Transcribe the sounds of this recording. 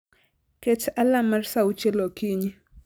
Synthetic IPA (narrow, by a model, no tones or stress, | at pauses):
ket͡ʃalamarsaut͡ʃelokiɲi